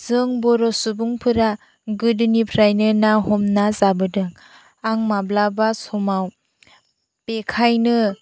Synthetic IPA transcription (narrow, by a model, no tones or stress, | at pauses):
z̥ɯŋbɔɾɔsubuŋpʰɯɾa | ɡɯdɯnipʰɾajnɯnahɔmnazabɯdɯŋ | aŋmablabasɔmaw | pekʰajnɯ